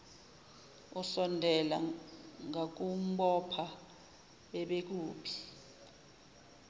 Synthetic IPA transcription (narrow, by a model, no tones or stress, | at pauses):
usɔndʱɛla̰ŋak̬um̩ɓɔpʰa | ɓɛɓek̬uːpʰi̥